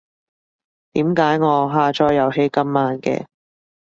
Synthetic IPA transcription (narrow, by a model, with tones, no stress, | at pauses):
t̪iː˨˥mkaː˨˥jŋɔː˨˧ɦaː˧t͡ʃɔː˧jːɐ˨˧wɦe˥jkɐ˥mːaː˧nkɛ̰ː˧